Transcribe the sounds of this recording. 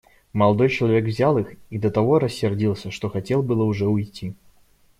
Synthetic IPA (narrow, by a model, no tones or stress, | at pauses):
mɐlˠɐd̪ɔjt͡ɕɪlˠɐvʲekvzʲalˠɨxid̪ət̪ɐvɔɾəsʲːɪrd͡zʲilˠsʲəʂt̪ɔxɐt͡sʲelˠbɨlˠəuʐɛʊjt͡sʲi